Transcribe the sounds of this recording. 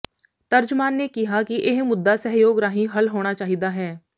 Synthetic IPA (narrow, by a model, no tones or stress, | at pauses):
t̪əɾd͡ʒmaːnːekɪɦaːkiʔɪɦmʊd̪ːaːsəɦjoːɡɾaːɦĩɦəlɦoːɽ̃aːt͡ʃaːɦid̪aːɦɛː